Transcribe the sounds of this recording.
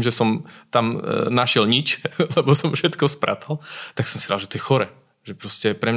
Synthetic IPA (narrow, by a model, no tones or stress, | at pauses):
mʒɛsɔmt̪amnaʃɪɛlɲit͡ʃlɛbɔsɔmfʃɛt̪kɔspɾʔa̰ːt̪alt̪aksɔmsi̥had̪lʒɛt̪ɔjɛxɔɾɛː | ʒɛpɾɔscɛpɾɛm